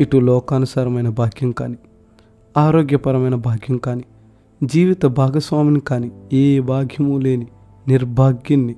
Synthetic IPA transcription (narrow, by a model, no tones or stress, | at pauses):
iʈulɔːkaːnusaːɾɐmɐjnɐbʱaːɡʱjɐmkaːni | aːɾoːɡjɐpɐɾɐmɐjnɐbʱaːɡʱjɐmkaːni | d͡ʒiːʋit̪ɐbʱaːɡɐsʋaːminikaːnieːbaːɡʱjɐmule̞ːni | niɾbʱaːɡjɐnːi